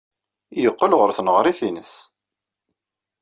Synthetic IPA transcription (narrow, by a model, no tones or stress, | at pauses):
jəqːəlʁʊɾθnəʁɾˤiθinəs